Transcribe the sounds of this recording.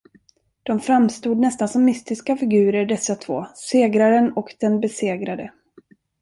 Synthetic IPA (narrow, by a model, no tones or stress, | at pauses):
d̪̥ɔmfɾamst̪uːd̪nɛst̪ansɔmːɪst̪ɪskafɪɡʉ̟ːɾəɖɛsːat̪ʰvo̰ːseːɡɾaɾənɔkd̪̥ɛnbɛseːɡɾad̪ə